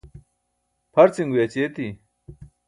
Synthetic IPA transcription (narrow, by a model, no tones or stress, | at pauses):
pʰɐɾt͡siŋɡujet͡ɕeːt̪i